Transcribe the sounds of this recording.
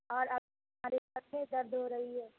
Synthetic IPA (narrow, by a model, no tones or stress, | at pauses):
ɔːɾɐb̚ | ɦmaːɾesɐt̪ʰed̪ɐɾd̪ɦoɾɐɦiɦɛː